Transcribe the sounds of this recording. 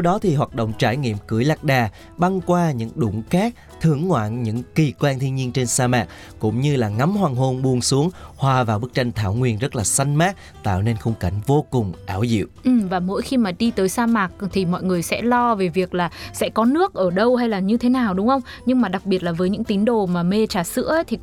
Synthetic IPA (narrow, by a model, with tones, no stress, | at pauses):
t̪ʰwɗɔ˨˦t̪ʰi˨˩ɦwaː˨˩t̚ɗo̰˧˨wŋ͡mt͡ɕaː˧˩jŋḭ˧˨əmkɨ˧˩əjla˨˩k̚ɗaː˨˩ | ɓa˧ŋkwaː˧ɲɨ̰˧˥ŋɗʊ˧˩ŋ͡mxaː˦˥k̚ | t̪ʰɨ̰˧˩əŋːwa̰ː˧˨nɲɨ̰˧˥ŋki˨˩kwaː˧nt̪ʰi˧ənɲi˧ənt͡ɕe˧nsaː˧maː˨˩k̚ | kʊ̰˧˥ŋ͡mɲɨ˧laː˨˩ŋa˨˦mhwaː˨˩ŋɦo˧nɓu˧˩əŋsu˨˦əŋhwaː˧vaː˨˩wɓɨ˦˥k̚t͡ɕa˧jŋ̟t̪ʰaː˧˩wŋwi˧ənzə˦˥t̚laː˨˩sa˧jŋ̟maː˦˥t̚ | t̪a̰ː˧˨wne˧nxə˧wŋ͡mka˧˩jŋ̟vo˧kʊ˨˩ŋ͡mʔaː˨˩˦wzḭ˧˨wʔʔɨ˨˩mvaː˨˩mo̰˧˥jxi˧maː˨˩ɗi˧t̪əː˨˦jsaː˧maː˨˩k̚t̪ʰi˨˩mɔ̰˧˨jŋɨ˨˩əjsɛ̰˧˥lɔ˧ve˨˩vi˨˩ək̚laː˨˩sɛ̰˧˥kɔ˨˦nɨ˦˥ək̚ʔəː˧˩ɗə˧wha˧jlaː˨˩ɲɨ˧t̪ʰe˨˦naː˨˩wɗʊ˨˦ŋ͡mxə˧wŋ͡m | ɲɨ˧ŋmaː˨˩ɗa˨˩k̚ɓi˨˩ət̚laː˨˩vəː˨˦jɲɨ̰˧˥ŋt̪i˨˦nɗo˨˩maː˨˩me˧t͡ɕaː˨˩sɨ̰˧˥əʔjt̪ʰi˨˩